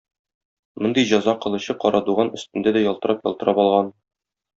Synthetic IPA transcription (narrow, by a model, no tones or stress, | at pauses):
mond̪ɤjʑɒzɑqɤ̆lˠɤ̆ɕɤqɒɾɑd̪uʁɑnɵ̆st̪ɘ̆nd̪æd̪æjɒlˠt̪ɤ̆ɾʔɑpjɒ̰lˠt̪ɤ̆ɾʔɑpɒlˠʁɑn